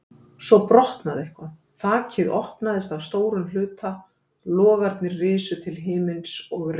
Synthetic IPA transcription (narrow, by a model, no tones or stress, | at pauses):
sɔpɾɔht̪naðehkaθaːcʰɪðɔhpnaðɪst̪avst̪oːwɾʏnlʏːt̪ʰa | lɔːɣaɾt̪nɪɾrɪːsʏt̪ʰɪlɦɪːmɪnsɔɣr